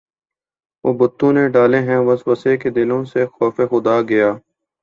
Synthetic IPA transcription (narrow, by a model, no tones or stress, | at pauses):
ʋoːbʊt̪ːõneɖaːleɦɛ̃ʋɐswəseked̪ɪlõsexɔːfexʊd̪aːɡɐjaː